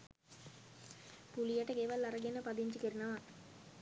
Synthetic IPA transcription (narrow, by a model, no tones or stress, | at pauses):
pulijəʈəɡeʋalːaɾəɡenəpad̪iɲt͡ʃikiɾinaʋa